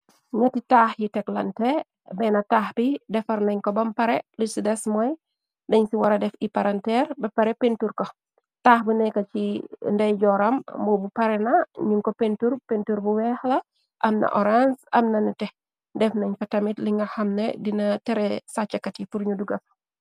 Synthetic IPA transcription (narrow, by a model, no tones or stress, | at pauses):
ɲɐtitaːxjitɛklɐ̰ntɛ | bɛnɐtaːxbidɛfɐɾnɐɲkɔbɐmpɐɾɛlisidɛsmɔj | dɐɲsiwɐɾɐdɛfipaɾantɛɾbɐpɐɾɛpentuɾko | taːxbunɛkɐt͡ʃindɐjɟɔːɾɐmbɔbupɐɾɛnɐɲuŋkɔpentuɾpentuɾbuwɛxlɐ | ʔɐmnɐ̰ʔɔɾansɐmnɐnɐtɛ | dɛfnɐɲfɐtɐmitliŋɡɐxɐmnḛdinɐtɛɾɛsat͡ʃːɐkːɐtipuɾɲuduɡɐf